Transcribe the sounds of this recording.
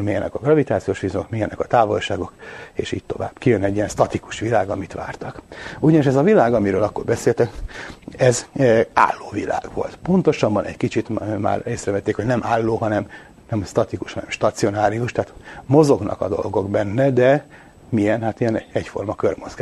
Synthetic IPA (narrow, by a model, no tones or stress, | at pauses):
miɛnɛ̰kɒɡrɒvit̪aːt̪sijoːʃʋizokmijɛnɛkɒt̪aːvo̞lʃaːɡo̞kḛːʃḭːɟ̚t̪o̞va̰ːb̥kijønɛɟːijɛnst̪ɒt̪iku̥ʃʋilaːɡɒmit̪ʋa̰ːrt̪ɒkuɟɒniʃ̬ɛzɒvilaːɡɒmiɾøːlɒkːo̞rbɛseːlt̪ɛk | ɛza̰ːlːoːvila̰ːɡ̥ʋo̞̰lt̪po̞nt̪o̞ʃɒbːɒnɛ̰ɟkit͡ʃit̪ma̰ːreːsrɛvɛt̪ːeːkhoɟnɛmʔaːlːoːɦɒnɛm | nɛmst̪ɒt̪ikuʃhɒnɛ̰mʃt̪ɒt̪sio̞naːɾiuʃt̪ɛːt̪mo̞zo̞ɡnʔɒ̰kɒ̰d̪o̞̰lɡo̞ɡbɛnːɛd̪ɛ | mijɛnhat̪ijɛnɛcfo̞̰rmɒkø̰rmozɡa